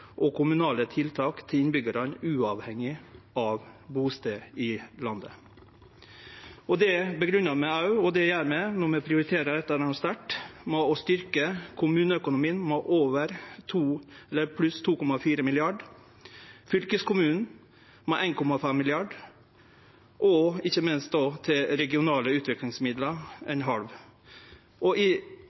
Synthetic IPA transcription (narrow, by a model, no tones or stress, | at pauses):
ʔɔkʰʊmʉnɑːlət̪ʰɪlt̪ʰɑːkt̪ʰɪɪnbʏɡəɾɑnʉːɑʋhɛŋɪɑʋbuːst̪eɪlɑnd̪ə̰ | ɔd̪ɛbəɡɾʉnɑmɛɑʉɔd̪ɛjæːɾmɛnɔɾmɛpʰɾɪʊɾɪt̪ʰeːɾəɾɛt̪ːɑnɑst̪æʈmoɔst̪ʏɾkəkʰʊmʉːnəœkʊnʊmiːnmoʔoːʋəɾt̪ʰuːɛlːəɾpʰlʉst̪ʰuːkɔmɑfiːɾəmɪlɪɑɖ | fʏlkəskʊmʉːn | mɛʔæɪnkʰɔmɑfɛmːɪlɪɑɖ | ʔɔɪçːəmɪnst̪̚d̪ɑːt̪ʰɪlɾɛɡɪʊnɑːləʉːt̪ʋɪklɪŋsmɪd̪ləɛnɦɑlʋ | ʔɔʔɪ